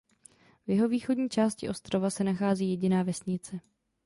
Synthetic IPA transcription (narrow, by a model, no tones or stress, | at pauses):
vjɛɦo̞viːxo̞dɲiːt͡ʃaːscɪʔo̞st̪ɾo̞vasɛnaxaːziːjɛɟɪnaːvɛsɲɪt͡sɛ